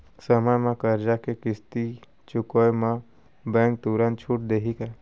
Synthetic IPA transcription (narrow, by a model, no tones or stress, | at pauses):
səmamãkəɾd͡ʒakekɪst̪i | t͡ʃʊkojmã | bɛ̃ːŋk̚t̪uɾə̃nt̪t͡ʃʰuːʈ̚d̪eːɦikɛ